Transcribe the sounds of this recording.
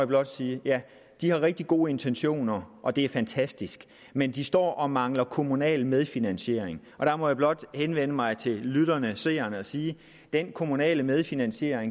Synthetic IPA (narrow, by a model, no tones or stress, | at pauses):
jab̥lɒ̽d̥siːjæ | d̥ihɑ̈ʁeɡ̥̚d̥iɡ̥o̝ːe̝nt͡sʰenɕo̝̰ːnɐʔɒ̽d̥e̝æɐfænt͡sʰæsd̥isɡ̥ | mend̥isd̥ɒ̰ːʔɒ̽mɑ̈ŋlɐkʰo̝munɛ̰ːlmeð̞ˠfinænɕe̝̰ɐ̰eŋ | ɒ̽d̥æmɒ̽jäb̥lɒ̽d̥henʋen̰əmɑ̈ɪt͡sʰe̝lyðˠɐnəse̝̰ːɐnəɒ̽siː | d̥enkʰo̝munɛ̰ːləmeð̞ˠfinænɕe̝̰ɐ̰eŋ